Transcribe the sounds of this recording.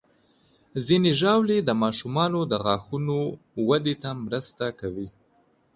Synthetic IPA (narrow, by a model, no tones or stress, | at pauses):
zineʒɑwled̪əmɑʃumɑnod̪əɣɑxuno | wad̪et̪amɾəst̪akawi